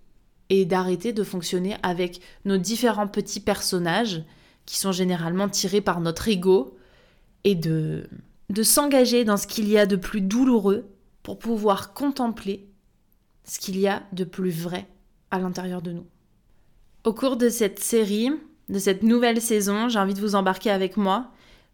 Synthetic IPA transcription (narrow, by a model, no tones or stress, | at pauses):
ed̪aʁet̪ed̪əfɔ̃ksjɔneʔavɛknod̪ifeʁɑ̃pət̪ipɛʁsɔnaʒ | kʲi̥sɔ̃ʒeneʁalmɑ̃t̪ʰiʁepaʁnɔt̪χeɡo | ed̪ə | d̪əsɑ̃ɡaʒed̪ɑ̃sə̥kʲiliad̪əplyd̪uluʁø | puʁpuvwaʁkɔ̃t̪ɑ̃ple | sə̥kʲiliad̪əplyvʁɛ | alɛ̃t̪eʁjœʁd̪ənu | okuʁd̪əsɛt̪seʁi | d̪əsɛt̪nuvɛlsezɔ̃ʒɛ̃vit̪əvuzɑ̃baʁkʲeavɛkmwa